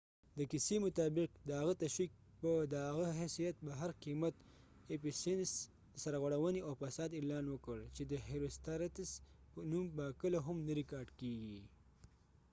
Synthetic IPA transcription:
d̪əkisemʊt̪ɑbɪq̚d̪əɦaɣət̪aʃwik̚ | pəd̪əaɣaɦesijat̪̚baɦaɾqimat̪ | episens | saɾaɣwaɽawəniawfasɑːd̪ɪlɑnwəkəɽt͡ʃed̪əɦeɾust̪aɾat̪ɪsənumbakəloɦamnaɾɪkɑɾɖkeɡi

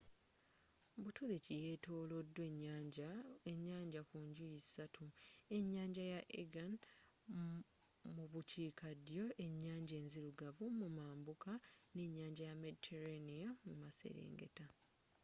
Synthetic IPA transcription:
butuɾicije̞ːto̞ːlo̞dːwe | eɲːaːɲɟakuɲɟujisatʰue̞ɲːaːɲɟajaʔḛɡan | muβuciːkadjo̞ʔe̞ɲːaːɲɟe̞ːnziɾuɡavumumaːmbukane̞ɲːaːɲɟajame̞ditʰeɾanijamumase̞̰ɾḛːŋɡe̞̰ta

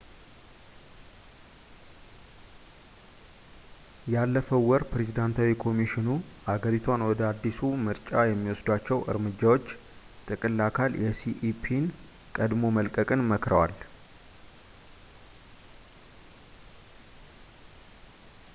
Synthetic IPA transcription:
jalːəfəwːɔɾpɾe̞zid̪ant̪ʰawikʰo̞miʃɪnuʔaɡəɾit̪ʰwanwɔd̪əad̪ːisumɨɾt͡ʃʼajɛmːiwɔsd̪at͡ʃːɛwʔɨ̰ɾmɨd͡ʒːawo̞t͡ʃː | t̪ʼɨkʼɨlːakʰaljʔɛsiʔipʰin | kʼəd̪mo̞məlkʼəkʼɨnməkɾəwa̰l

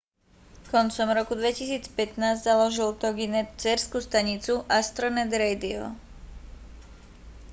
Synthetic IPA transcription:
kɔnt͡sɔmɾɔkud̪ʋɛcisiːt͡spɛt̪naːzzalɔʒilt̪ɔɡinɛt̪t͡sɛɾskuːst̪aɲit͡suʔast̪ɾɔnɛd̪ɾɛjd̪iɔ̰

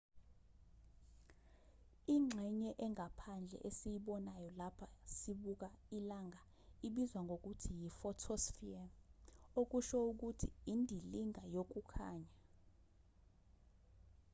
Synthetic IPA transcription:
iŋ͡ǁʱɛɲɛʔɛŋʱapʰand͡ɮʱɛ̰ʔesijiɓɔnajɔlapʰasiɓuk̬ailaŋʱa | iɓizwaŋɡʱok̬utʰijifɔtʰɔsfia | ok̬uʃɔuk̬utʰḭːndʱiliŋʱajok̬ukʰa̰ːɲa

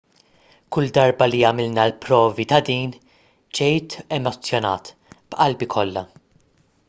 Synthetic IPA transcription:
kʊld̪ɐɾbɐliɐmɪlnɐlpɾɔːvit̪ɐd̪iːn | d͡ʒɛjt̪ɛmɔt͡sːjɔnɐ̰ːt̪ | b̥ʔɐlbikʰɔlːɐ̰

